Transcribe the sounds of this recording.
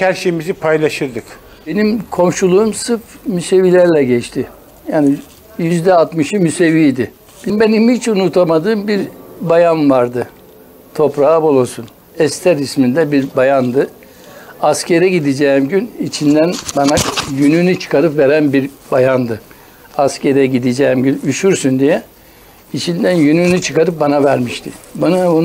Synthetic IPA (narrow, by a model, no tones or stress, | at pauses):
cʰæɾʃemizipʰajlˠaʃɯɾd̪ɯk | b̥e̞nimkʰo̞mʃulˠuumsɯfmyse̞vilʲæɾlʲɛɟɛt͡ʃt̪ʰi | jaːni | jyzd̪ɛat̪mɯʃɯmyse̞viːd̪i | b̥imbenimhit͡ʃunut̪ʰamad̪ɯːmbiɾbajanvaɾd̪ɯ | t̪ʰo̞pɾaːabolˠosun | ɛst̪ʰɛɾismind̪ɛbiɾbajand̪ɯ | asceɾɛɟid̪id͡ʒɛːimɟynit͡ʃʰind̪ænbanajynynyt͡ʃʰɯ̥kaɾɯpveɾænbiɾbajand̪ɯ | asceɾɛɟid̪id͡ʒɛːimɟynyʃyɾsynd̪ijɛ | it͡ʃʰind̪ænjynynyt͡ʃʰɯkaɾɯp̚banavæɾmiʃt̪ʰibanabun